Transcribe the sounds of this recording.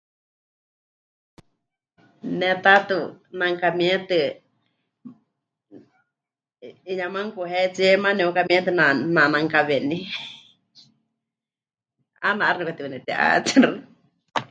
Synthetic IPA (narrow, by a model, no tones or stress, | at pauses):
nɛ̃t̪at̪unãŋkamĩɛ̃t̪ɨ | iɲãmãŋkuɦɛt͡siemãnɛ̃ũkamĩt̪ɨnanãnãŋkaβenĩ | anãʔaɾnɨkat̪iunɛ̃t̪ɛʔa̰t͡sɛɾɨ